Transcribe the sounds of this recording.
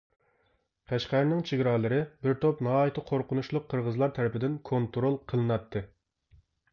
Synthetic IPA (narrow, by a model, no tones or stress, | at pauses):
qʰæʃqæɾnɪŋt͡ʃʰiɡʲɾɑːlˠɨɾɨbɪɾt̪ʰopnɑɦɑːjit̪ʰɨqʰoɾqʊnuʃlˠʊqʰːəɾʁəzlˠɑɾt̪ʰæɾɪpɪd̪ɪnkʰont̪ɾolˠqʰəlˠɨnɑt̪ʰːɨ